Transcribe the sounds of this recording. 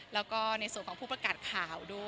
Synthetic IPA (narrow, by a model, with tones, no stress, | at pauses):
lɛː˦˥wkɔː˥˩na˧jsu˨˩ənkɔː˩˦ŋpʰuː˥˩pɾa˧kaː˨˩t̪̚kʰaː˨˩˦wdu˥˩